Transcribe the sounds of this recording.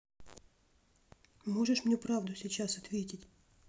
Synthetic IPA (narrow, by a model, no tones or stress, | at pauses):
mo̞ʐɨʂmnʲupɾavd̪ʊsʲɪt͡ɕasɐt̪vʲetʲɪtʲ